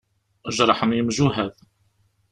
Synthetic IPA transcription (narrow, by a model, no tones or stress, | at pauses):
ʔəʒɾˤɑħnjəmʒuɦæð